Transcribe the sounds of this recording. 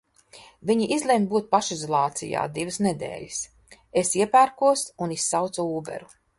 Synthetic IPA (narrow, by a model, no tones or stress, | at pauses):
viɲiʔizlʲembuɔt̪̚paʃizɔlˠɑːt̪sḭja̰ːd̪ivɨsned̪ḛːlʲis | esiɛpæːɾkuɔsunisːawt̪suuːbɛ̰ɾu